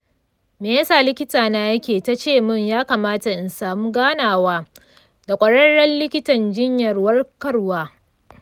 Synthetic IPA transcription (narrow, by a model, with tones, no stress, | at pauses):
meː˨jɐ˦saː˨lɪ˦kʲɪ˦taː˨naː˦jɐ˦kʲeː˨ta˦t͡ʃeː˦˨mʊ˦˨ɲjaː˦kaː˨maː˦ta˨ʔɪ˨nsaː˨muː˦ɡaː˦naː˨waː˦ | da˨kʷʼɐ˨ɽɐ˦ɽːɐ˦nlɪ˦kʲɪ˦tɐ˨nd͡ʒɪ˦ɲjɐ˨rwɐ˦rkɐ˦rwaː˦